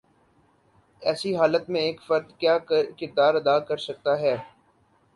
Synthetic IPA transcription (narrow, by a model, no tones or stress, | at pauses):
ɛːsiɦaːlət̪mẽeːkfɐɾd̪kjaːkɪɾd̪aːɾɐd̪aːkɐɾsɐk̚t̪aɦɛː